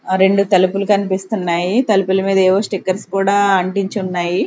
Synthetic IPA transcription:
ɾe̞ɳɖut̪ɐlupulukɐnipist̪unːaːjit̪ɐlupulɐmiːd̪ɐɛːʋoːsʈikːɐɾskuːɽaːɐɳʈiɲt͡ʃiunːaːji

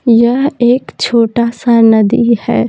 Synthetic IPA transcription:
jəɦeːkt͡ʃʰoːʈasanəd̪ihɛ̰ː

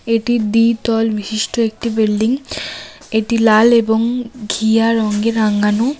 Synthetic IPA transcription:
eʈid̪it̪ɔlbiʃiʃʈoek̚ʈibilɖiŋ | eʈilaleboŋɡʱijaɾɔŋɡeɾaŋɡano

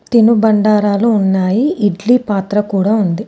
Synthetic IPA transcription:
t̪inubɐɳɖaːɾaːluːnːaːjiːɖliːpaːt̪ɾɐkuːɽaːund̪i

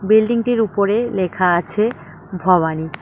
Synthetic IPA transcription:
bilɖiŋʈiɾupoɾelekʰaat͡ɕʰe | bʱɔβani

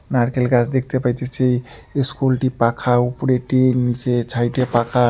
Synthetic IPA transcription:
naɾkelɡasʰd̪ek̚ʰt̪epajt̪ʰet͡ɕʰej | eskulʈipakʰaupɾeʈinit͡ɕet͡ɕʰajʈepakʰa

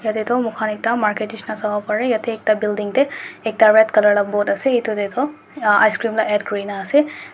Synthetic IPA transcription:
jɐt̪et̪omukʰaːnik̚t̪amaːɾkeʈiʃnasɐbapɐɾejɐt̪ʰeeːk̚t̪abilɖiŋɡt̪eek̚t̪aʋet̪kɐlɐɽɐboːʈ̪ɐseit̪ut̪et̪o | a̰jskɾiːmlaʔeːɖɡɾiːnaːse

